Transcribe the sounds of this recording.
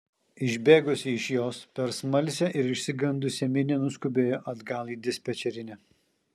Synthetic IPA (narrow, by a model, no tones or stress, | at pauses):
ɪʒʲbʲeːɡʊsʲɪɪʃjoːspʲɛɾsmɐlʲsʲɛʔɪɾɪʃʲsʲɪɡɐnd̪ʊsʲɛmʲɪnʲɛnʊskʊbʲeːjoʔɐd̪ɡɐlˠiːd̪ʲɪsʲpʲɛt͡ʃʲɛɾʲɪnʲɛ